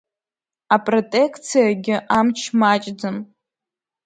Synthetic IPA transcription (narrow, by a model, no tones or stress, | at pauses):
apʼrotʼekʰt͡sʰijaɡʲɪʔamt͡ʃʰmat͡ʃʼd͡zɨm